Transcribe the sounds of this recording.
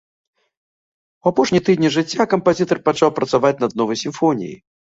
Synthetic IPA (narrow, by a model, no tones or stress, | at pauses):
uwapɔʂnʲit̪ɨd̪ʲnʲiʐɨt͡sʲːakɐmpazʲit̪ɐrpat͡ʂawpɾɐt̪savat͡sʲnɐd̪nɔvɐjsʲimfɔnʲḭjḭ